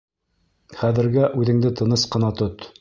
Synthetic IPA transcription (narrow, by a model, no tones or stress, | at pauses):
χæðɘ̆ɾɡæʔʉðɘ̆ŋd̪ɘt̪ɤ̆nɤsqɤ̆nɑt̪ɵt̪